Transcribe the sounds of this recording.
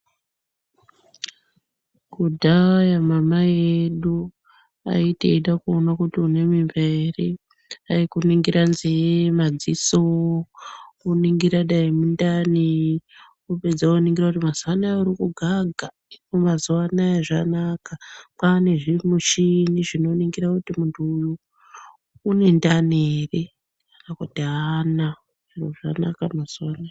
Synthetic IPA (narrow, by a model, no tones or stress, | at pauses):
kudʱajamamajeeɗu | a̰itḛiɗakuonakutiune̞mimberi | aikuniŋɡiɾanzemad͡ziso | uniŋɡiɾaɗaimundani | upe̞d͡zaoniŋɡirakutimazuwanauɾikuɡʱaɡʱa | imumazuwanaeʐanakapane̞ʐimuʃiniʐino̞niŋɡiɾakutimuntʰuːju | ne̞ndanere | kanakutiana | ʐiroʐanakamaz̥uana